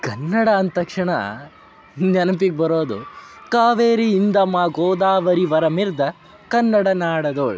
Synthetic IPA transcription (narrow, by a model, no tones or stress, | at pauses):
kɐnːɐɽɐːnt̪ɐkʂɐɳɐ̰ | nɐnɐpiɡ̚bɐɾoːd̪ṵkaːʋeːɾiːnd̪ɐmaːɡoːd̪aːʋɐɾiʋɐɾɐmiɾd̪ɐ | kɐnːɐɽɐnaːɽɐd̪oːɭ